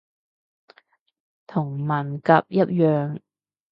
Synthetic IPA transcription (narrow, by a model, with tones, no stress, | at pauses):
t̪ʰʊ˨˩ŋmɐ˨˩nkɐ˧p̚jɐ˥t̚jœː˨ŋ